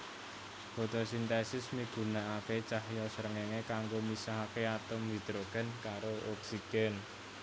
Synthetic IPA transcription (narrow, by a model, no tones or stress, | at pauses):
b̥o̤t̪ɔsint̪ɛsɪsmiɡ̥ṳnaaket͡ʃahjɔsəɾəŋeŋekaŋɡomisaɦakeat̪əmwid̪̥ɾoɡ̥ɛ̤nkaɾoɔksiɡ̥ɛn